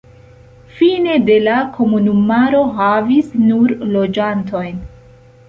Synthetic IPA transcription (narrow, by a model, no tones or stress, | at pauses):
fine̞de̞lakʰo̞munumaɾo̞ɦavisnuɾlo̞d͡ʒantʰo̞jn